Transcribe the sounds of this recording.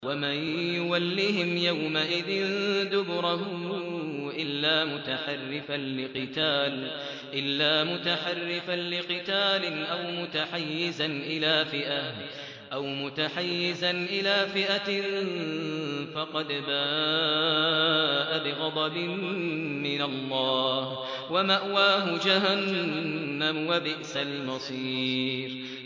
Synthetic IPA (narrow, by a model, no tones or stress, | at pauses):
wamanjʊwalːiːhɪmjawmaʔɪðɪnd̪ʊbɾˤɑhʊ | ʔɪlːaːmʊt̪aħarːɪfanlɪqɨt̪aːl | ʔɪlːaːmʊt̪aħarːɪfanlɪqɨt̪aːlɪnʔawmʊt̪aħajːɪzanʔɪlaːfɪʔah | ʔawmʊt̪aħajːɪzanʔɪlaːfɪʔa | fɑqɑd̪baː | ʔabɪɣɑd̪ˤɑbɪmmɪnalˤːɑːh | wamaʔwaːɦʊd͡ʒaɦanː | amwabɪʔsalmɑsˤiːɾ